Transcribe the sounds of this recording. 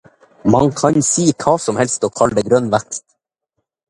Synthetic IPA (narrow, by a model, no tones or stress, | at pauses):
mɑŋkʰɑɲsiːkʰɑːsɔmhɛlst̪ɔːkʰɑld̪əɡɾœnʋækst̪